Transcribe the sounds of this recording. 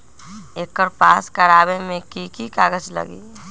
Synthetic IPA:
eːkːəɾpaːskəɾaːbemẽkikikaːɡəd͡ʒlə̰ɡḭː

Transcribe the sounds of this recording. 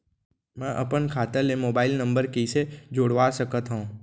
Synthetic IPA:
mɛ̃ʔə̰pənkʰaːt̪əlemoːbaːɪlnə̃mbəɾkised͡ʒoːɽʋaːsəkət̪ɦõː

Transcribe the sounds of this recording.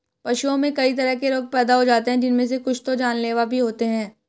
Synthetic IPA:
pɐʃuõmẽkɐit̪ɐɾəɦkeɾoːɡ̚pɛːd̪aɦod͡ʒaːt̪eɦɛ̃d͡ʒɪnmẽs̬ekʊt͡ʃʰt̪od͡ʒaːnleːʋabʱiɦoːt̪eɦɛ̃ː

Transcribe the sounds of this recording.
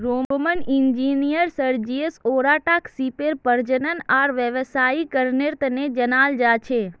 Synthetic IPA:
ɾomənind͡ʒinijəɾsəɾd͡ʒiesoɾaʈaksipeɾpəɾd͡ʒənənaɾʋjəʋsaikəɾneɾt̪ned͡ʒənald͡ʒat͡ʃʰe

